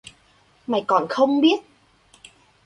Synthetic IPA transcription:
ma˨˩jkɔ˨˩nxə˧wŋ͡mɓi˦˥ət̚

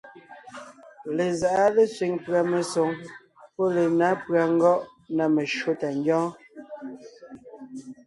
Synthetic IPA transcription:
le˨za˨ʔa˦le˦sɥi˨ŋpɰa˨me˨so˨˦ŋ | pɔ˦le˨na˨˦pɰa˨ŋ̩˦ɡɔ˦ʔ | na˨me˨ʃo˦ta˨ŋ˦ɡjɔ̃ː˦

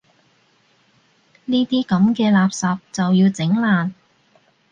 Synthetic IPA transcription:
niː˥t̪iː˥kɐ˨˥mkɛː˧laː˨p̚sɐː˨p̚t͡sɐ˨wjiː˧wt͡sɪ˨˥ŋlaː˨n

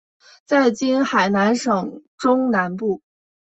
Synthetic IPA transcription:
t͡sa˥˩ɪt͡ɕi˥nxa˨˩ɪna˧˥nʂɤ˨˩ŋʈ͡ʂʊ˥ŋna˧˥npu˥˩

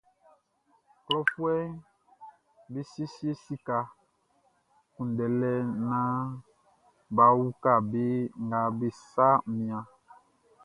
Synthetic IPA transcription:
klɔ˦fwɛ˦ | be˦si˦e˦si˦e˦si˦ka˨ | kũ˨n˨dɛ˨lɛ˦nã˦ | ba˨wu˦ka˨be˦ŋ˨ɡa˨be˨sa˦mĩ˨ã˨

